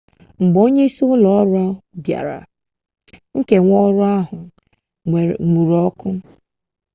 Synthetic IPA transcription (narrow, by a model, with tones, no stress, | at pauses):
ŋ͡m̩˨ɡ͡bo˦ɲe˦i˦su˦ʊ˦lɔ˨˦ɾɔ˦bja̰˨ɾa̰˨ | ŋ̩˦ke˨ŋʷɔ˦ɾʊ˦a˦ɦʊ˨ | ŋu˨ɾɔ˦kʊ˦